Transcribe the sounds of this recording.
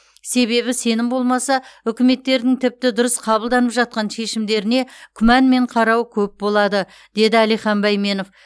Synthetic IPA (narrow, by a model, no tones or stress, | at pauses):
se̞βe̞βɪse̞nɪmbo̞lˠmɑsɑʏkʲɪme̞t̪ːe̞ɾd̪ɪŋt̪ʰɪp̚t̪ɪd̪ʊɾəsqʰɑbəlˠd̪ɑnəpʒɑt̪̚qɑnʃe̞ʃɪmd̪e̞ɾɪne̞kʲʰʏmænme̞ɴqʰɑɾɑwkʲʰɵp̚bo̞lˠɑd̪ə | d̪̥e̞d̪ɪælijχɑmbɑjme̞no̞f